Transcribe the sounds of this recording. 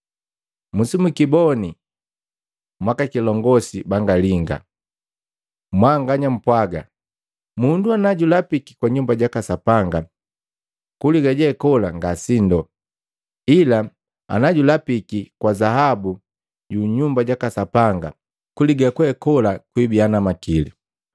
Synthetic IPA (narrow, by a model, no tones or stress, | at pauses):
musimukibɔni | mwakakilɔŋɡɔsibaŋɡaliŋɡa̰ | mwaŋɡaɲam̩pwaɡa̰ | munduanaɟulapiki̥kwaɲumbaɟakasapaŋɡa | kuliɡaɟɛkɔlaŋɡasindɔ | ila | a̰naɟulapikikwazaɦabu | ɟuɲumbaɟakasapaŋɡa | kuliɡakwɛkɔlakwibianamakilḭ